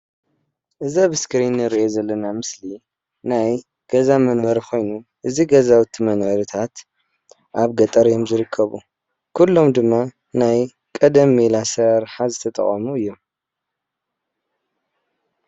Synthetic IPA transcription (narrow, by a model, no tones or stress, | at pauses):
ʔɨzaβɨskɨɾinɨɾiʔo̞zɐlːɐnamɨsli | naj | ɡ̥ɐzamɐnbɐɾkʰo̞jnuʔɨziɡɐzawɨt̪ʰimɐnʕɨɾɨt̪ʰat̪ | ʔaβɡɐt̪ʼɐɾjomzɨɾɨkʰːɐβṵ | kʰulːo̞md̪ɨmːa | naj | kʼɐd̪ɐmːelasɐɾħazɨt̪ʰɐt̪ʼɐ̰χʼɐmuɨjːo̞m